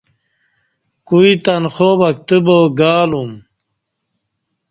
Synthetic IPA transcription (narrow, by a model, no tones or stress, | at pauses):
kuit̪ɐnxoːbɐk̚t̪ɨboɡaːlum